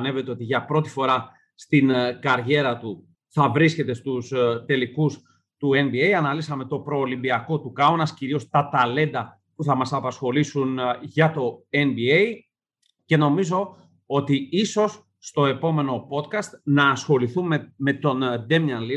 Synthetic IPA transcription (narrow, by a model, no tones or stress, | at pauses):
ne̞ve̞t̪e̞o̞t̪iʝɐpɾo̞t̪i̥fo̞ɾɐ | st̪inkɐɾʝe̞ɾɐt̪u | θɐvɾisce̞t̪e̞st̪ust̪e̞likus | t̪ue̞nbiejɐnɐlisɐme̞t̪o̞pɾo̞ːlimbiɐko̞t̪ukɐonɐsciɾio̞st̪ɐt̪ɐle̞nd̪ɐ | puθɐmɐsɐpɐsxo̞lisunʝɐt̪o̞e̞nbiej | ce̞no̞mizo̞ | o̞t̪iiso̞sː | t̪o̞e̞po̞me̞no̞po̞t̪kɐst̪nɐːsxo̞liθumeme̞t̪o̞nd̪e̞mnɐnli